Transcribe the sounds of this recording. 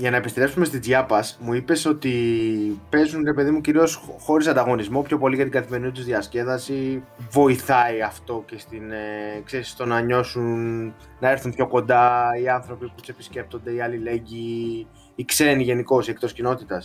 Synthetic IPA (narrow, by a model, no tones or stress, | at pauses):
ʝɐnɐepist̪ɾe̞psumest̪izʝɐpɐsmuipe̞so̞t̪i | pe̞zunɾe̞pe̞ðimuciɾio̞sxo̞ɾis̬ɐnd̪ɐɣo̞nizmo̞pço̞po̞liʝɐt̪iɡɐθime̞ɾinit̪uzðiɐsce̞ðɐsivo̞iθɐiɐft̪o̞ce̞st̪inkseɾisst̪o̞nɐɲo̞sun | nɐe̞ɾθunpço̞ko̞nd̪ɐiɐnθɾo̞piput̪u̥se̞pisce̞p̚t̪o̞nd̪e̞iɐlile̞ɲɟiː | kse̞niʝe̞niko̞siek̚t̪o̞scino̞t̪it̪ɐs